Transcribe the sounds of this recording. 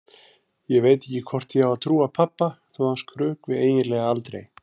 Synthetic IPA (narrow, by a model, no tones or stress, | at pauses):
jɛɣveːjt̪ɛcːɪkʰvɔr̥t̪θiavaðt̪ʰɾuːapʰapːaθuanskʰɾʏːkvɪðeːjɪlɛːɣaalt̪ɾḛj